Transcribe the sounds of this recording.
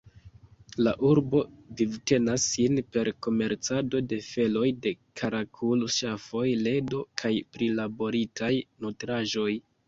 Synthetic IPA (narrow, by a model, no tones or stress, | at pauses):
laʔuɾbo̞divte̞nasːinpe̞ɾko̞me̞ɾt͡sado̞de̞fe̞lo̞jde̞kʰaɾakʰulʃafo̞jle̞do̞kʰajpɾilabo̞ɾitʰajnotɾaʒo̞j